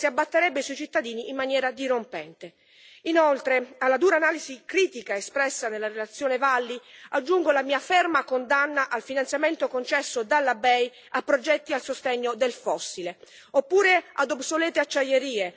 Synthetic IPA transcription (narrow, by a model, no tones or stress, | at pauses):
siabːat̪ːeɾɛbːesuit͡ʃit̪ːad̪iːniːmːanjɛːɾad̪iɾompɛnt̪e | inolt̪ɾealːad̪uːɾaːnaːlizikɾiːt̪ikaespɾɛsːanelːaɾelat̪sːjoːnevalːiad͡ʒːuŋɡolamiːafermakond̪anːaʔalfinant̪sjament̪okont͡ʃɛsːod̪alːabɛj | apːɾod͡ʒɛt̪ːialsost̪ɛɲːod̪elfɔsːile | opːuːɾea̰d̪obsolɛːt̪eat͡ʃːajeɾiːe